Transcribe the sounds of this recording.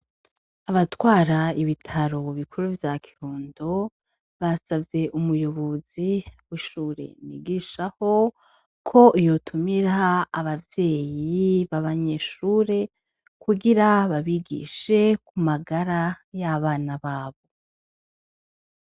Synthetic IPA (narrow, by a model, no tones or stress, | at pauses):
aβatwaːɾaiβitʰaɾo̞βikʰuɾuvjakʰiɾuːndo | βasavje̞ʔumujo̞βoziwiʃuːɾe̞̰nḭɡiʃaho̞ | kʰo̞ʔijo̞tʰumiɾaːβavje̞ːjiβaβaɲe̞ːʃuːɾe̞ | kuɡiɾaβaβiɡḭʃe̞kumaɡaɾa | jaβaːnaβaːβo̞